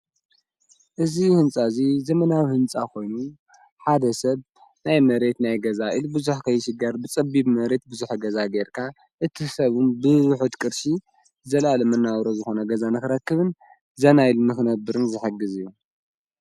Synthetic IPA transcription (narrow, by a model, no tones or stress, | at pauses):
ʔɨzihɨnt͡sʼazizɐmɐnawhɨnt͡sʼakʰo̞jnu | ħad̪ɐsɐβ | najmɐɾe̞t̪najɡɐzaʔilubɨzuħkʰɐjʃɪɡɐɾbɨt͡sʼɐbiβmɐɾe̞t̪̚bɨzuħɡɐzaɡeɾkʰa | ʔɨt̪ʰisɐβunbɨwʊħɨt̪kʼɨɾʃi | zɐlalɐmɐnːawɾozɨxo̞nɐɡɐzanɨxɨɾɐkːɨβɨn | zɐnajlnɨxɨnɐbːɨɾɨnzɨħɨɡɨzɨjːu